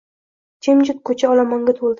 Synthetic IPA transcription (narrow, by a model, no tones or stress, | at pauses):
kʰemd͡ʒʊt̪̚kʰɵt͡ʃʰaɒlamɒŋɡʲat̪ʰolˠd̪ɪ